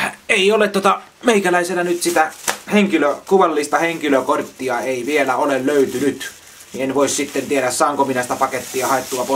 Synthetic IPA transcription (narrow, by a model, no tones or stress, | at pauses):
eˑiolet̪t̪uŏt̪ɑ | meikælæˑiselːɑnyt̪sit̪æheŋkiløkuʋɑlːist̪ɑheŋkiløkort̪ːiɑeˑiʋielæolelløyt̪ynyt̪ | nienʋoˑissit̪ːent̪ieɾæssɑːŋkominæsi̥t̪æpɑket̪ːiɑhɑˑet̪ːuɑpo